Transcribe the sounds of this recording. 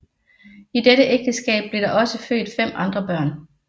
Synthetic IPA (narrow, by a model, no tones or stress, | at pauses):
id̥eɾəʔeɡ̥̚d̥əsɡ̥ɛ̰ːb̥̚b̥le̝ɐɾ̥ɑ̈ʔɒ̽səfø̰ːd̥fem̰ʔɑ̈nd̥ʁɐb̥ɶɐ̰n